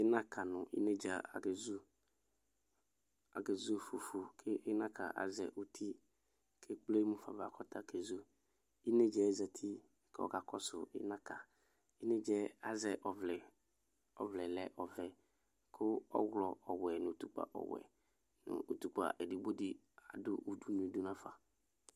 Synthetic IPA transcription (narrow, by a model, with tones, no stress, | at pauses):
ɪ˦nã˦kʰa˨nʊ̃˨ʔḭ˦ne˦d͡ʒa˨a̰˨ɡe˨zu˦ | a̰˨ɡe˨zu˦fu˨fu˨kʰɪ˦ɪ˦nã˦kʰa̰˨ʔa̰˨zɛ˨ʔu˨tʰi˦ | kʰe˦k͡ple˦mũ˦fa˨va̰˨kʰɔ˦tʰa˦kʰe˨zu˦ | i˦ne˦d͡ʒɛ˨˦za˨tʰi˦ | kɔ̰˨ɡa˨kɔ˦sʊ˨ɪ̰˦nã˦ka˨ | ɪ˦ne˦d͡ʒɛ˦a˨zɛ˨ʔɔ˨vlɛ˨ | ɔ˨vlɛ˨lɛ˨ʔɔ˨vɛ˨ | kʰʊ˦ɔ˦wlɔ˨ɔ˨wɛ˨nʊ̃˨t̪u˦k͡pa̰˨ʔɔ̰˨wɛ̰˨ | nʊ̰˨ṵ˨tu˨k͡pa̰˨ʔe˨di˨bo˦dɪ˨ | a˨dʊ˦ʔu˨du˦nũ˨du˦nã˦fa˨